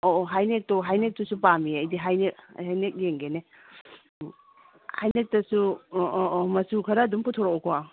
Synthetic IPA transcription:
oɦajnek̚toɦajnek̚tusupamiɐjdiɦajnek̚hajnek̚jeŋɡene | hajnek̚tɐsu | mɐsukʰɐɾɐːdumpʰutʰoɾɔkɔkʰa

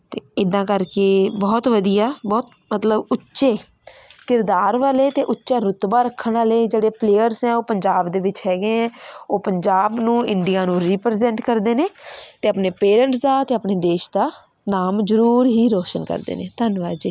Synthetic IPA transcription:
t̪eːɪd̪ãːkəɾkeːbɔːt̪ʋəd̪ijaːbɔːt̪̚ | mət̪ləbʊtːʃeː | kɪɾd̪aːɾʋaːleːt̪eːʔʊtːʃaːɾʊt̪baːɾəkʰːənaːleːd͡ʒeːɽeːpleːjəɾsɦɛ̃ːoːpəɲd͡ʒaːbd̪eːʋɪt͡ʃɦɛːɡeɛ̃oːpəɲd͡ʒaːbnũːɪɳɖijãːnũːɾiːpɾezɛ̃ɳʈkəɾd̪eːneːt̪eːəpneːpeːɾə̃ɳʈsd̪aːt̪eːəpneːd̪eːʃd̪aː | naːmzəɾuːɾɦiːɾɔːʃənkə̰ɾd̪ḛːneːt̪ənʋaːd͡ʒeː

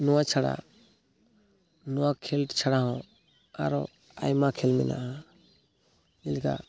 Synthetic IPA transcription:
nɔwat͡ʃʰaɽa̰ | nɔwakʰɛlt͡ʃʰaɽaɦɔ̃ | aɾɔ̰ | a̰jmakʰɛlmɛ̰na̰ʔa | ɛlka̰

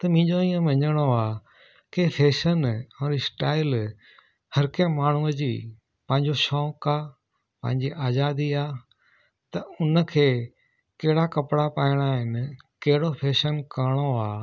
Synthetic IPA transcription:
t̪ɐmɪ̃ːɲd͡ʑoĩːə̃ʋɐ̃ɲəɽ̃oaː | kepʰeːʃənɛ̃ːɾɪsʈaːɪl | hɐɾkẽmaːɳ̤uəd͡ʑiː | pɐ̃ɦɪ̃ɲd͡ʑoʃɔːkaː | pɐ̰̃ɦɪ̃ɲd͡ʑiʔaːzaːd̪iaː | t̪ɐʊnəkʰeː | kɐɦɪɽakɐpɽapaːɪɽ̃aːɦɪnɪ̆kɐɦɪɽopʰeːʃənkaɽ̃oaː

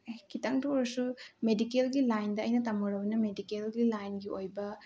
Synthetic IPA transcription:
kit̪ɐŋʈuɔɾɐsumeɖikelɡilajnd̪ɐɐjnɐt̪ɐmuɽɐʋunɐmeɖikelɡilajnɡiojbɐ

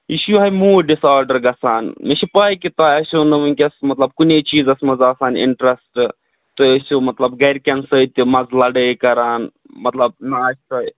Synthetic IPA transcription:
iʃjuɦɐjmuːɖisaːɾɖɐɾɡɐsaːnmiʃipaːjkit̪aːɐsʲonɐmunʲkʲɐsmɐt̪lɐb̚kunet͡ʃiːzɐsmɐzaːsaːnḭɳʈɾesʈ | t̪oɐsomɐt̪lɐbɡɐjɾkʲɐnsəit̪umɐzlɐɖəjkɐɾaːn | mɐt̪lɐb̚nɐaːst̪ɐj

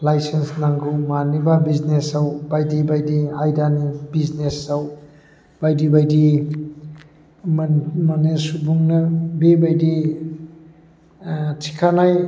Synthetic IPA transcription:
lajsensnaŋɡumanibabiznesawbajdibajdiajdanibiznesaw | b̥ajdibajdi | mmanesubuŋnɐbebajdi | tʰi̥kʰanaj

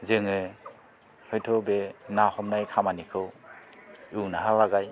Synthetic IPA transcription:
zɯŋɯ | hɔjtʰɔbenahɔmnajkʰamanikʰɯw | ɯwnaɦalaɡaj

